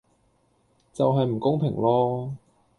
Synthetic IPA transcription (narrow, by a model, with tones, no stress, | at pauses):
t͡sɐ˨wɦɐ˨jm̩˨˩kʊ˥ŋpʰɪ˨˩ŋlɔː˥